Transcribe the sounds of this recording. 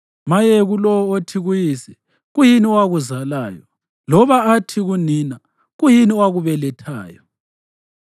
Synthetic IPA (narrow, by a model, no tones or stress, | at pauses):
majeɣulɔwɔotʰiɣujiːsɛ | ɣujiniwaɣuzalaːjɔ̰ | lɔβaatʰiɣunina | ɣujiniwaɣuβɛlɛtʰa̰ːjɔ